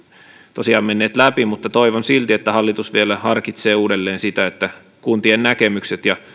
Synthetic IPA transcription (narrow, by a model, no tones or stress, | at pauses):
t̪osiɑːmmenːeːt̪læpimut̪ːɑt̪oiʋonsilt̪iet̪ːæhɑlːit̪usʋielæhɑrkit̪seːuːdelːeːnsit̪æet̪ːæ | kunt̪iennækemykset̪jɑ